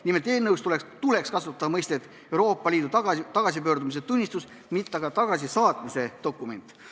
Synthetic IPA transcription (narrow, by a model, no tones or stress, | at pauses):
nime̞lt̪e̞ːlnɤwst̪ulekst̪ule̞kskɑsut̪ːˑɑɑmɤjst̪e̞t̪ | e̞wɾo̞ːpːˑɑliːd̪ut̪ɑt̪ɑɡ̥ɑs̬ipø̞ːɾd̪umis̬et̪unʲːist̪us | mit̪ːˑɑɡ̥ɑt̪ɑɡ̥ɑsisɑːt̪ˑmise̞d̪o̞kːˑume̞nt̪ːˑ